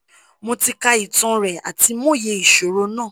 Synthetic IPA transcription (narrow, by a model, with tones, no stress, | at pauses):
mo˧ti˧ka˧i˨tɔ̃˧ɾɛ˨a̰˨ti˧mõ˦˨je˧i˨ʃo˨ɾo˧nãː˦˨